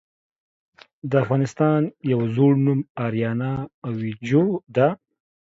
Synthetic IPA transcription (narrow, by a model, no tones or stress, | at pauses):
d̪əafɣɑːnɪst̪ɑnjawzoɽnumɑɾjɑnaːwid͡ʒod̪a